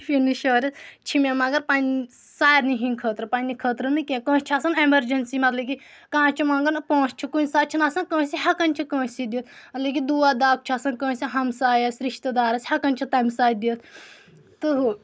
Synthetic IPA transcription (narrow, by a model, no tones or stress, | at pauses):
finiʃoːɾʲɐt̪t͡ʃʰimemɐɡɐɾpaːn | saːɾniɦĩnkʰəːt̪ɾɐpaːnnikʰəːt̪ɾɐnɨkẽkõːt͡ʃʰaːsɐnemɐɾd͡ʒɐnsimɐt̪lɐki | kãːt͡ʃʰumɐŋɡɐnpõːst͡ʃʰikunʲsaːt͡ʃʰinaːsɐnkə̃ːsiɦɐkɐnʲt͡ʃʰikõːsid̪it̪ʰmɐt̪lɐkid̪uːaːd̪aːk̚t͡ʃʰaːsɐnkə̃ːsiɦɐmsaːjɐsʲɾiʃt̪ɐd̪aːɾɐsʲhɐkɐnʲt͡ʃʰit̪aːmsaːd̪iət̪ʰ | t̪ɨɦ